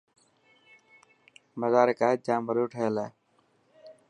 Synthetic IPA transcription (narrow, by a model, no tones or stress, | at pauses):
məzaːɾəkaːɦed͡ʒãːmʋəɾoːʈʰəəlaː